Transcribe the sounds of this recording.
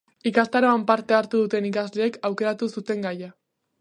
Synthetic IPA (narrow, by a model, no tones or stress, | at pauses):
ikast̪aɾo̞ampaɾt̪e̞aɾt̪uðut̪e̞nikazle̞ːkawke̞ɾat̪usut̪e̞ŋɡaja